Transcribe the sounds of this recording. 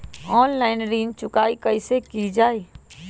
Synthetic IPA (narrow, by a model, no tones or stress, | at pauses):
ɔːnlaːɪnɾiːnt͡ʃʊkaːikɐisekid͡ʒaːiː